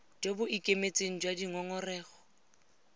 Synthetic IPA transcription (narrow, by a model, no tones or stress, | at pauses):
d͡ʒobʊʔikʼemet͡sʼeŋ̩d͡ʒwadiŋɔŋɔrɛːɣɔ